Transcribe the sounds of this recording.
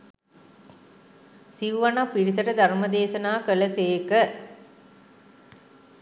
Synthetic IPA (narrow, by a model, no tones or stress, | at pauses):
siʋʋɐnapiɾisɐʈɐd̪ʱɐɾmɐd̪eːsɐnaːkəlɐseːkə